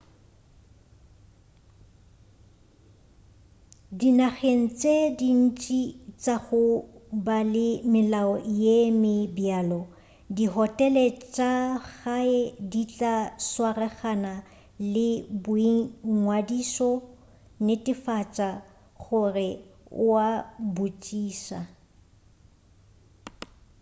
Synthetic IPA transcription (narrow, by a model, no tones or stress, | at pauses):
dinaχen̩t͡sʼedin̩t͡ʃʼit͡ʃʼaɣʊbalɪmɪlaɔjemɪbjaːlɔ | diɦɔtʼɛlɛt͡ʃʼaɣaɛdit͡ɬʼaswarɛχana | lɪbʊiŋwadisɔ | nɪtʼɪfat͡ʃʼa | ɣʊrɪwabut͡ʃʼiːsa̰